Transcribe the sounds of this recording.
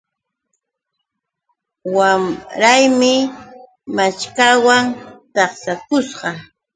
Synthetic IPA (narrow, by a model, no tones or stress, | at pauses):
wamɾajmɪ | mat͡ʃkawaŋt̪ɑχsakʊsɢɑ